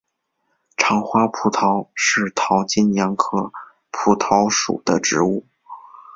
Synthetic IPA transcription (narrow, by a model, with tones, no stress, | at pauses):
ʈ͡ʂʰɑ˧˥ŋxwa˥pʰu˨˩t̪ʰɑ˧˥ʊʂɻ̩˥˩t̪ʰɑ˧˥ʊt͡ɕi˥njɑ˧˥ŋkʰɤ˥˩ | pʰu˨˩t̪ʰɑ˧˥ʊʂṵ˨˩d̪̥ə̰˦ʈ͡ʂɻ̩˧˥u˥˩